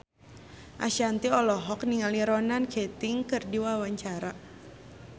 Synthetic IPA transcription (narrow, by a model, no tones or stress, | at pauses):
ʔa̰ʃiant̪iɔlɔɦɔk̚niŋaliɾɔnankʰɛt̪iŋkɨrdiwawaɲt͡ʃaɾa